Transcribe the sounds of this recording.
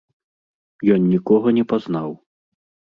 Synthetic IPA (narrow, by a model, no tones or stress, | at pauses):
jɔnːʲikɔɣɐnʲɛpaznaw